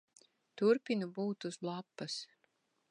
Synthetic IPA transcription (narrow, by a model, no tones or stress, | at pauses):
t̪uɾpʲinubuːt̪uzblˠapːɐs